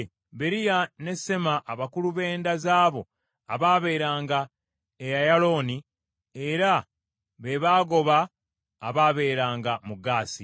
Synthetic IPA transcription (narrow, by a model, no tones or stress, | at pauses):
βe̞ɾijane̞se̞maʔːβakuluβe̞ːndazaːβo̞ | aβaːβe̞ːɾaːŋɡa | ejajalo̞ni | eɾa | βe̞βaːɡo̞βaː | βaːβe̞ːɾaːŋɡamuɡaːsi